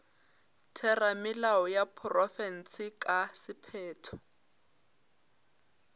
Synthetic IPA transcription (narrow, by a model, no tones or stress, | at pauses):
tʰɛramɪlaɔjapʰrɔfɛn̩sɪkʼasɪpʰɛːtʰɔ̥